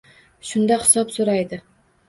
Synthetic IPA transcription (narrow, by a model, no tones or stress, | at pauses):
ʃʊnd̪ahɪ̥sɒpsoɾajd̪ɪ